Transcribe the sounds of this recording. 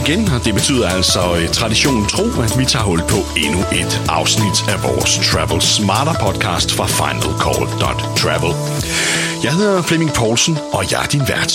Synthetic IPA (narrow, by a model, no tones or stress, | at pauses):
iɡ̥end̥e̝b̥e̝t͡sʰy̰ːðˠɐæl̰sɒ̽t͡sʰʁɑ̈diɕo̝̰ːnn̩t͡sʰʁo̝̰ːæd̥ʋit͡sʰɑ̰̈ːɦɔ̽l̰d̥̚pʰɒ̽e̝nuʔe̝d̥ʔɑ̈ʊsnid̥æʋɒ̰ːst͡sʰʁæʋl̩smɑ̈ːd̥ɐpʰɒ̽d̥̚kʰɑ̰̈ːsd̥fʁɑ̈fɑ̈ɪnælkʰɒ̰ːld̥ɒ̽d̥t͡sʰʁæʋl̩ˠ | jɑ̈ɪhe̝ðˠɐfleme̝ŋpʰɒ̰ːlsənɒ̽jɑ̈ɪɐd̥inʋæɐd̥